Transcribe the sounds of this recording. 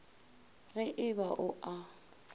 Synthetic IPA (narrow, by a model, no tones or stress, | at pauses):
ɣɛʔɪbaʔʊʔa